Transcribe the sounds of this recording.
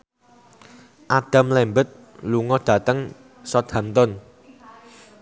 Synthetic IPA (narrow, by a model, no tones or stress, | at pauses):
ʔaɖ̥ä̤mlɛmbət̪̚ | luŋɔɖ̥ä̤t̪əŋ | sɔd̪̥a̤mt̪ɔn